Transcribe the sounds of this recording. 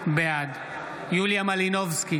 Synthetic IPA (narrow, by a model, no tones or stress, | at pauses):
bead | juljamalinovski